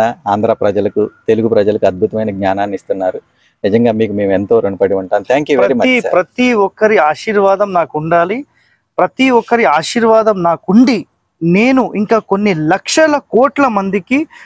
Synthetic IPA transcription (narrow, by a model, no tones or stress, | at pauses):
ɐaːnd̪ɾaːpɾɐd͡ʒɐlɐkut̪e̞luɡupɾɐd͡ʒɐlɐkuɐd̪̚bʱut̪ɐmɐjnɐɡɲaːnaːnːiist̪unːaːɾu | nid͡ʒɐŋɡaːmiːkume̞ːme̞nt̪o̞ːɾoɳupɐɽiuɳʈaːmt̪ʰaːŋkjuːʋɾeɐɾimɐiɾɐt̪iɔkːɐɾiaːʃiːɾʋaːd̪ɐmnaːkuɳɖaːli | pɾɐt̪iɔkːɐɾiaːʃiːɾʋaːd̪ɐmnaːkuɳɖi | ne̞ːnuʔiŋkaːkonːilɐkʂɐlɐkɔːʈlɐmɐnd̪iki